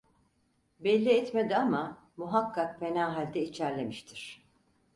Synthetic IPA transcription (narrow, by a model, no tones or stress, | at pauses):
bɛlʲːiɛt̪me̞d̪iama | muɦakːak̚fe̞naːɦalʲd̪ɛit͡ʃʰæɾlʲe̞miʃt̪ʰiɾ̥